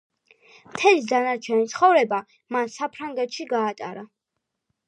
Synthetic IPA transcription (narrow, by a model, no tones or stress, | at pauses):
mt̪ʰɛlid̪anaɾt͡ʃʰɛnit̪sʰχɔvɾɛba | mansapʰɾaŋɡɛt̪ʃiɡaːt̪ʼa̰ɾa